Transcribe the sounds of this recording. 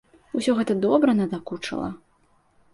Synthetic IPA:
usʲɔɣɛt̪ɐd̪ɔbɾɐnɐd̪akut͡ʂɐ̰lˠɐ̰

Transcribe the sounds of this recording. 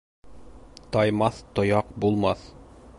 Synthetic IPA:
t̪ɑjmɑθt̪ŏjɑqbulˠmɑθ

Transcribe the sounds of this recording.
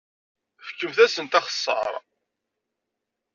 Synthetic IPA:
fə̥kːuvθæsənt̪ɑχə̥sˤːɑ̰ɾˤ

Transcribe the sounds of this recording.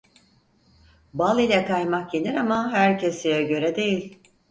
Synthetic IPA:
balˠilʲɛkajmak̚ɟeniɾamaɦæɾcʰesijɛɟø̞ɾɛd̪e̞jilʲ

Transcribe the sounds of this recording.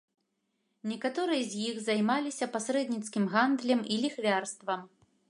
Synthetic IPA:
nʲɛkat̪ɔɾɨjɐzʲjixzajmalʲisʲɐpasɾɛd̪nʲit̪skʲimɣand̪lʲɐmilʲixvʲarst̪vɐm

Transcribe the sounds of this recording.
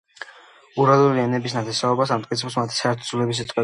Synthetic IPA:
uɾalˠuliɛnɛbis̬nat̪ʰɛsaɔbasamt̪ʼitsʰɛpsmat̪ʰi̥saɛɾt̪ʰɔzulɛbis̬it̪ʼqʼwɛ

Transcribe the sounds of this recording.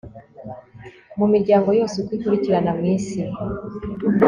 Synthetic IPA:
mumiɾɟaːŋɡo̞jo̞ːsekwikuɾiciɾanamŋiːnsi

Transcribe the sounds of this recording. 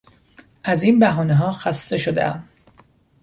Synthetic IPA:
ʔæziːnbæɦɒːneɦɒːxæst̪e̞ʃo̞d̪ḛʔæ̰m

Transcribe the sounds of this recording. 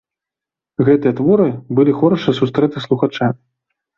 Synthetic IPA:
ɣɛt̪ɨjɐt̪vɔɾɨbɨlʲixɔɾɐʂɨsust̪ɾɛt̪ɨslˠuxat͡ʂa

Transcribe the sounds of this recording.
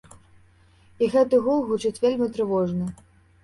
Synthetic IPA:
iɣɛt̪ɨɣulˠɣut͡ʂɨt͡sʲvʲelʲmʲit̪ɾɨvɔʐnɨ

